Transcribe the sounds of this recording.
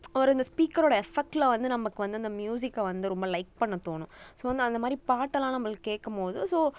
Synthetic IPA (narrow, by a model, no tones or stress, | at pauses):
ɐʋɐɾɯɪnd̪ɐspiːkɐɾoːɽɐɛfɛk̚ʈlɐʋɐnd̪ɯnɐmːɐkːɯʋɐnd̪ɯɐnd̪ɐmjuːs̬ɪkːɐʋɐnd̪ɯɾɔmbɐlɐɪk̚pɐɳːɐt̪ːoːnʊ̃soːʋɐnd̪ɯɐnd̪ɐmaːðɾipaːʈːɐlãːnɐmːɐɭkːɯ̥kːeːʈkːɐmpoːðɯsoː